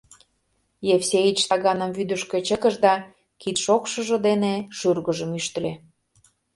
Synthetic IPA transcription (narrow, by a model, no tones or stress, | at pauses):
jefsʲeit͡ɕt̪ɑɣɑnəmvyd̪əʃkĕt͡ɕə̆kə̆ʒd̪ɑ | kit̪ʃokʃə̆ʒə̆d̪eneʃyrɣəʒəmyʃt̪əle